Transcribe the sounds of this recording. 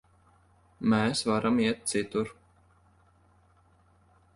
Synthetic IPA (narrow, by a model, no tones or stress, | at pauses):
mɛːsvaɾamiɛt̪̚t̪sit̪uɾ